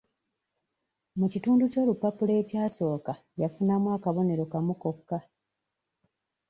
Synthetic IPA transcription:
mucituːnduco̞ːlupːapule̞ːcaːso̞ːka | jafunamwaːkaβo̞ne̞ɾo̞kamuko̞kːa

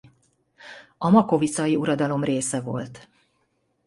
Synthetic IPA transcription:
ɒmɒko̞vit̪sɒjiuɾɒd̪ɒlo̞mreːsɛvo̞̰lt̪

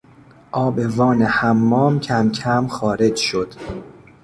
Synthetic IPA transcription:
ʔɒːbe̞vɒːne̞hæmːɒːmcʰæmcʰæmxɒːɾe̞d͡ʒʃo̞d̪̥

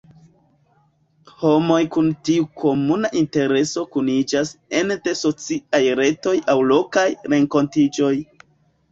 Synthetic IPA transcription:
ho̞mo̞jkuntiukʰo̞munaʔinte̞ɾe̞so̞kunid͡ʒase̞nde̞so̞t͡siajɾe̞to̞jawlo̞kajɾe̞ŋko̞ntid͡ʒo̞j

